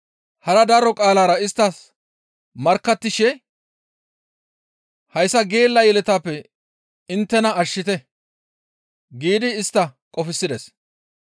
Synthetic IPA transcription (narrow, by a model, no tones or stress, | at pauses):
hɐɾɐd̪ɐɾɔkʼaːlaːɾɐɪst̪ːɐs | mɐɾkːɐt̪ːɪʃɛ | hɐjsːɐɡe̞ːlːɐjɛlɛt̪aːpːɛ | ɪnt̪ːɛnɐɐʃːɪt̪ɛ | ɡiːd̪ɪːst̪ːɐkʼɔfɪsːɪd̪ɛs